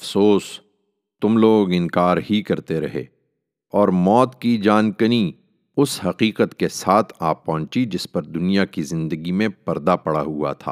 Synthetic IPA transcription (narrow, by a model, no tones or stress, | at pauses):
ɐfsoːs | t̪ʊmloːɡɪnkaːɾɦikɐɾt̪eɾɐɦḛː | ɔːɾmɔːt̪kid͡ʒaːnkəni | ʊshɐqiːqət̪kesaːt̪ʰaːpɔ̃ːt͡ʃid͡ʒɪspɐɾd̪ʊnijakizɪ̃nd̪əɡimẽpɐɾd̪apɐɽa̰ɦua̰t̪ʰa̰ː